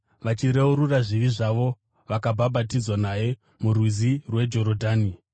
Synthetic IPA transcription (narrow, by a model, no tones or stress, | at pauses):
ʋat͡ʃiɾeuɾuraʐiʋiʐaʋo̞ | ʋakabʱabʱatid͡zwanaje̞ | murwizirwe̞d͡ʒo̞ɾodʱaːni